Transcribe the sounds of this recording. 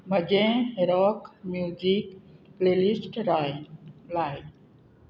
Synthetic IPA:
mɐd͡ʒẽːɦeɾaːkmjuːzikpleːlisʈɾa | laːj

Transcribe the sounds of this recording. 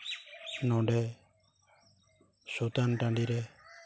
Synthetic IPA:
nɔ̃ɖɛ | sut̪anʈãɳɖiɾɛ

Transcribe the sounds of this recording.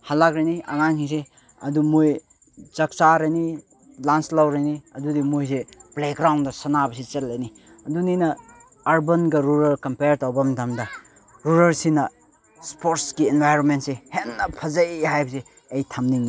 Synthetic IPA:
halakɾajniɐŋaŋhis̬e | ɐ̰dumoj | t͡ʃɐk̚t͡ʃaɾajni | lanslawɾajniɐdudimojs̬eplekɾawndɐsɐnabɐsit͡ʃelːajni | ɐduninɐː | ɾbɐnɡɐɾuɾɐɾkɐmpeɾtawbɐmdamdɐ | ɾuɾɐɾsinɐ | spoɾskienbʱajɾonmentsehenːɐpʰɐzɐjɦajbɐs̬e | ejtʰɐmniŋni

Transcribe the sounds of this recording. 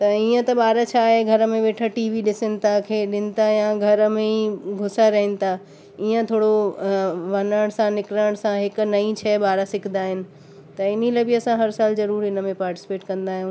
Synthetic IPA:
t̪ɐiːə̃t̪ɐɓaːɾət͡ɕʰaːɦeɡʱɐɾəmẽʋeːʈʰəʈiːʋiɗɪsənɪ̆t̪ʰakʰeːɗɪnɪ̆t̪ʰajãɡʱɐɾmẽiɡʱʊsaɾɐɦɪnɪ̆t̪ʰa | iːə̃t̪ʰoːɽo | ʋɐnəɽ̃sãnɪkɾəɽ̃sãɦɪknɐĩt͡ɕʰɛːbaːɾasɪkʰn̆d̪aːɦɪnɪ̆ | t̪ɐɪnilaːbɪɐsãɦɐɾsaːlzɐɾuːɾɪnə̆mẽpaːɾʈɪ̥sɪ̥peːʈkɐ̃nd̪aːɦjũː

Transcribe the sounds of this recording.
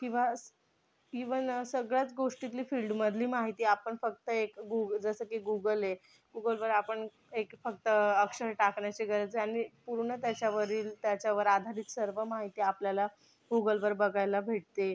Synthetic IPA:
kĩw̃ʋas | kĩʋənsəɡɭjat͡sɡoʂʈit̪liːfilɖməd̪ʱliːmaɦit̪iːapəɳfək̚t̪əekɡuɡd͡zəsəːkiɡuɡəle | ɡuɡəlʋəɾapəɳ | ekfək̚t̪əəkʂəɾʈakɳjat͡ɕeɡəɾət͡seaɽ̃ipuɾɳət̪jat͡ɕjaʋəɾiːlt̪jat͡ɕjaʋəɾad̪ʱaɾiːt̪səɾʋəmaɦit̪iːapljala | ɡuɡəlʋəɾbəɡʱajlabʱeʈ̚t̪e

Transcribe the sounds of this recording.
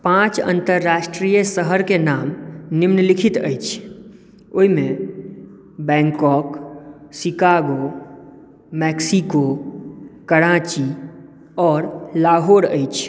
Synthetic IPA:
pãt͡ʃə̰̃nt̪əɾːasʈɾijəsəɦəɾkenamnimnəlikʰit̪ə̰jt͡ʃʰ | oɦimẽ | bɛ̃ŋkɔksikaɡo | mɛksiko | kəɽat͡ʃi | ɔːɾlaɦoɾəjt͡ʃʰ

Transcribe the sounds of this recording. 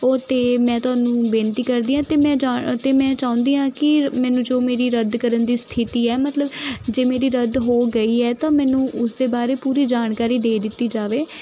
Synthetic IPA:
ot̪eːmɛ̃ːt̪ʊaːnũːbẽːnt̪iːkəɾd̪iːãːt̪eːmɛ̃ːd͡ʒaːt̪eːmɛ̃ːt͡ʃãːʊ̃nd̪iːãːkɪmɛ̃ːnũːd͡ʒoːmeːɾiːɾəd̪kəɾənd̪iːst̪ʰɪt̪iːɛːmət̪ləbd͡ʒeːmeːɾiːɾəd̪ɦoːɡəiːɛːt̪ãːmɛ̃ːnũːʔʊsd̪eːbaːɾeːpuːɾiːd͡ʒaːɳkaːɾiːd̪eːd̪ɪt̪ːiːd͡ʒaːʋeː

